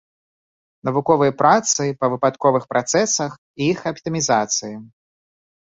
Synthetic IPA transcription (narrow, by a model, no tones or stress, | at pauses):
nɐvukɔvɨjɐpɾʔat̪sɨpɐvɨpat̪kɔvɨxpɾʔat̪sɛsɐx | iixɐpt̪ɨmʲizat̪sɨji